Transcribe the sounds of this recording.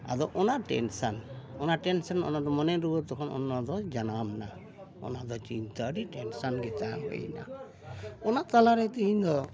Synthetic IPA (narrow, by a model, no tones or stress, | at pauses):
a̰d̪ɔʔɔnaɾʈḛnsanɔnaɾʈensɔnɔ̰nad̪ɔmɔneɾuɔɾt̪ɔkʰɔnɔ̰nːɔd̪ɔd͡ʒanamna | ɔ̰nad̪ɔt͡ʃint̪aɽiʈensanɡɛt̪amɦɔ̰jna̰ | ɔnat̪alaɾet̪eind̪ɔ